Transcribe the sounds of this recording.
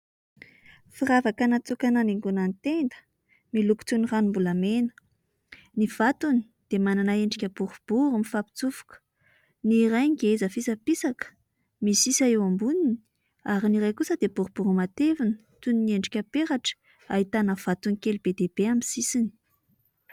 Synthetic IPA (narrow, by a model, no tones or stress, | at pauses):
firavakanat͡sukananeŋɡunant̪end̪ə̥ | miluku̥t͡s̪uniranimbulamenə̥ | niv̥at̪uni̥ | d̪̥emananaeɳɖ͡ʐikʲəb̥uɾub̥uɾumifapi̥t͡sufu̥kə̥ | nirajɡeezəfisapisakə̥ | misisaewambunini̥ | aɾiniɾajkusəd̪ebuɾub̥uɾumat̪evinə̥ | t̪uninieɳɖ͡ʐikʲəpeɾaʈ͡ʂə̥ | aɦit̪anəv̥at̪unikelb̥ed̪eb̥eaminsisini̥